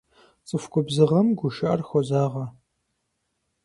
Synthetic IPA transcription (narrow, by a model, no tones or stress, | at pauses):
t͡sʼɨfkʷʰʼʊbzɨʁɐmɡʷʊʃɐʔɐrxʷɔzaːʁɐ